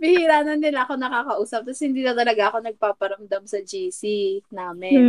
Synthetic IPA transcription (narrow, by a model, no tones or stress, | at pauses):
mɪhɪɾaːnɐnːɪlaʔɐko̞nɐkaːkɐʔuːsɐp̚t̪ɐshɪnd̪iːnɐt̪ɐlɐɡaʔɐko̞nɐɡ̚paːpɐɾɐmd̪amsɐd͡ʒiːsinaːmɪn